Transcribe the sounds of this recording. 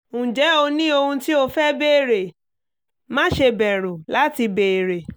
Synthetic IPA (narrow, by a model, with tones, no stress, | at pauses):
ũ˨d͡ʒɛ˨˦o˧nĩ˦o˧hũ˧ti˦o˦fɛ˦be˦e˨ɾe˨ | mã˦ʃe˧bɛ˨ɾũ˨la˨˦ti˧be˨e˨ɾe˨